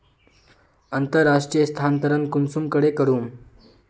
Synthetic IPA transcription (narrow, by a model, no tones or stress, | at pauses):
ənt̪əɾːaʂʈɾijəst̪ʰant̪əɾənkunsumkəɽekəɽuːm